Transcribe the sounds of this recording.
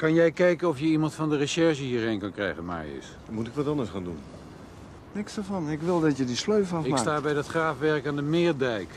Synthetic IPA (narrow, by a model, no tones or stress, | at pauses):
kɑnjɛjkɛjkənɔfjəimɑntfɔndərəʃɛɹʃəhiːrhɪnkɑnkrɛ̰jɣənma̰jɪ̰s | mutɪkʋɔtɔndəsχaːndun | nɪksdəfɑnɪkʋɪlˠdɔtjədisløɥfafɪastaːbɛjdɔtχraːfʋɛrkandəmɪːrdɛjk